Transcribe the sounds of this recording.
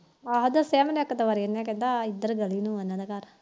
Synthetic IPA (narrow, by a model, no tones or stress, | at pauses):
aɦod̪asɛːmənəkːt̪əʋaːɾiənɛ̃ːkɛ̃ːnd̪aːɪd̪ːəɾɡəliːnũːənãːd̪akaɾ